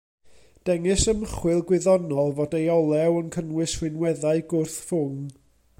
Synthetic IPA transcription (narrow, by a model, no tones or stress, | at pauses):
d̥ɛŋɪsəməχwɪlˠɡwɪðɔnɔlˠvodejɔlˠɛwənkʰənwɪswɪnwɛðaɨɡʊrθfʊŋ